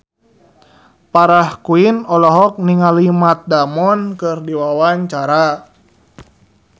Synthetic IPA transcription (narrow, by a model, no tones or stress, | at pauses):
paɾahkuinɔlɔɦɔk̚niŋalimat̪̚damɔnkɨrdiwawaɲt͡ʃaɾa